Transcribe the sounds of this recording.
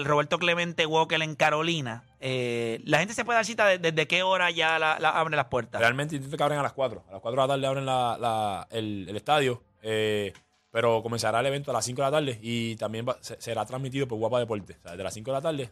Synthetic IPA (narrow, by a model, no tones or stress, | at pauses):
lro̞βeɾt̪o̞kle̞mẽnt̪eɣwo̞kele̞ŋkaɾo̞lina | elahent̪es̬ep̬weaɾsit̪aðed̪ezðeke̞o̞ɾaʝalala̰ʔaβɾelaspweɾt̪arealmeneint̪enekeaβɾeŋalaskwat̪ɾoalaskwat̪ɾlat̪ald̪eaβɾeŋlalaelele̞st̪aðjo | e | pe̞ɾo̞ko̞mensaɾaele̞βe̞nt̪oalasiŋkoelat̪ald̪e̞it̪ambjembasese̞ɾat̪ɾazmit̪iðopwewapaðep̬oɾt̪eseaðeðela̰siŋkoelat̪ald̪e̞